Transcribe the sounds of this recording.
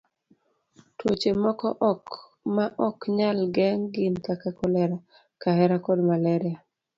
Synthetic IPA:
twot͡ʃemɔkɔʔɔk | maʔɔkɲalɡɛŋɡɪnkakakɔlɛɾa | kahɛɾakɔdmalɛɾɪa

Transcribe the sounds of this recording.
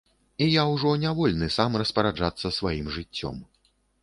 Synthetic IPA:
ijawʐɔnʲavɔlʲnɨsamrɐspɐɾad͡ʐat̪sːɐsvajimʐɨt͡sʲːɔ̰m

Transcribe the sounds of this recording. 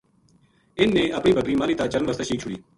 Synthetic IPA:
ɪnːẽːʔəpɳiːbʱəkɾiːmaːliːt̪aːt͡ʃəɾənʋəst̪əːʃiːk̚t͡ʃʰʊɽḭː

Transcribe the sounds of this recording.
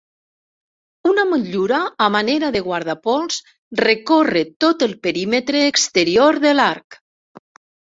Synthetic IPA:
unaməʎuɾaːmaneɾaðeɣwaɾð̞apɔlˠs | rekoret̪ot̪əlˠpəɾimət̪ɾeːkst̪əɾioɾðəlaɾk

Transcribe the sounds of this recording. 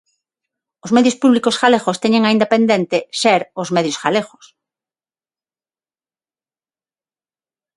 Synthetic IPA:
ozmeðjospuβlikosxalexost̪eɲẽŋaĩnapẽnd̪ent̪eseɾozmeðjosxalexo̥s

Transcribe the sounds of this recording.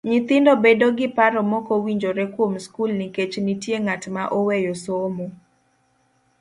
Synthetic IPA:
ɲit̪ɪndɔbedoɡɪpaɾɔmɔkowiɲd͡ʒoɾɛkwomskulniket͡ʃnitjeŋatmaʔowejosomo

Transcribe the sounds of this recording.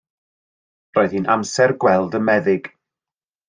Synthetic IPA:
roɨð̥hiːnʔamsɛrɡwɛlˠdənmɛðɪɡ̥

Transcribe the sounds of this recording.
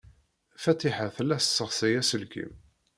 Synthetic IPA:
fæt̪iħaθlːæsəsːəʁsæjæsəlkḭm

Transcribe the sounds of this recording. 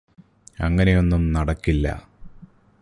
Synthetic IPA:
ɐŋːɐne̞jo̞nːumnɐɽɐkːilːɐ̰

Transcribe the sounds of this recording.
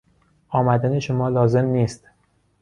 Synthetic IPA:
ʔɒːmæd̪æne̞ʃomɒːlɒːze̞mniːst̪

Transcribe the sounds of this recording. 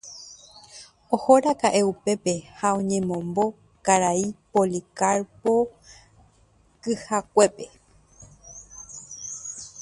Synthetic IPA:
ohoɾakaʔe̞upe̞pe̞haõɲẽ̞mõ̞mbo̞ | kaɾaipolikaɾpo | kɨhakʷe̞pe̞

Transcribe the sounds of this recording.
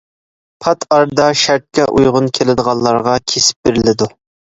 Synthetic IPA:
pʰɑt̪ʰɑɾd̪ɑʃæɾt̪̚kʲɛʔujʁʊnkʲʰelɪd̪əʁɑlˠːɑɾʁɑkʲʰesɪ̥p̚beɾɪlɪd̪u

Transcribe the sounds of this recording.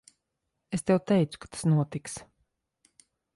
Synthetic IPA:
est̪ɛwt̪ɛjt̪su̥kḁt̪ʰḁsnuɔt̪iks

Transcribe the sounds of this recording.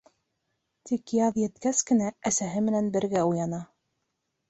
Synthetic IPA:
t̪ikjɑðjɘ̆t̪kæskɘ̆næːsæɦɘmɘ̆nænbɘ̆ɾɡæujɑnɑ

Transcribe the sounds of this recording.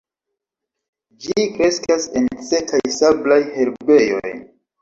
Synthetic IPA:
d͡ʒikɾe̞skase̞nt͡se̞kʰajsablajhe̞ɾbe̞jo̞̰j

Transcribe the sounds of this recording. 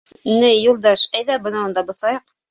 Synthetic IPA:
nɘjːulˠd̪ɑʃæjðæbɤ̆nɑund̪ɑbɤ̆θɑjɤq̚

